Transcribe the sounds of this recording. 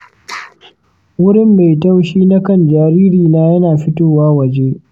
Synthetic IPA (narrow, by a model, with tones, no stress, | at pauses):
wʊ˦ɽɪ˦˨mːa˨jta˦wʃiː˦na˦kɐ˦˨nd͡ʒaː˨ɾiː˦ɾiː˨naː˦jɐ˦naː˨ɸɪ˦toː˦waː˦wɐ˨d͡ʒeː˦ʔ